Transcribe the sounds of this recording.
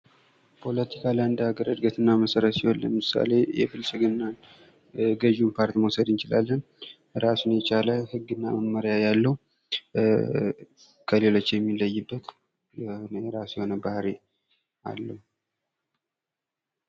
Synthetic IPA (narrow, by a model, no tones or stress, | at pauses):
pʰo̞lət̪ʰikʰalajɨnd̪əaɡəɾəd̪ɡət̪ʰɨnːaməsəɾət̪sihonlːə̰mɨsa̰le̞jɛ̰bɨlsɨɡɨnːan | ɡəʒunpʰaɾt̪imowsəd̪ɨnt͡ʃɪla̰lːən | ɾasunjɛt͡ʃaləhɨɡːɨnːa̰məməɾjajalːəhu | kʰəle̞lo̞t͡ʃːjɛmːilːəjːɨbːət̪ | nɾasjho̞nəbahɾe | ʔa̰lːəhu